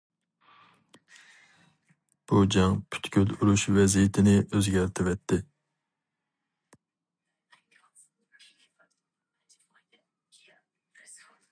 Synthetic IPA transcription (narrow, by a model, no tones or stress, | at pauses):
b̥ud͡ʒɛŋpʰy̥t̪kʲʰyluɾuʃvɛzijɪt̪ʰɪnɪʔøzɡʲæɾt̪ʰɪvɛt̪ʰːɪ